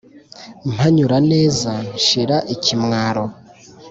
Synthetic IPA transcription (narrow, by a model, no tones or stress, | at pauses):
m̥haɲuɾane̞ːzanʃiɾaʔicimŋaːɾo̞